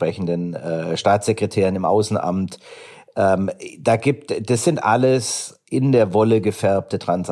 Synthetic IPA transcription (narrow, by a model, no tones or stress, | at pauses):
pʁ̥ɛçn̩dənɛːʃtaːt͡sz̥ekʁ̥ɛtʰeːʁ̞ənɪmʔa̰ʊsn̩ʔa̰mt | ʔɛːmd̥aːɡiːp̚td̥asz̥ɪntʔa̰ləs | ʔɪndeːɐvɔləɡəfɛɐp̚tətʁ̥ans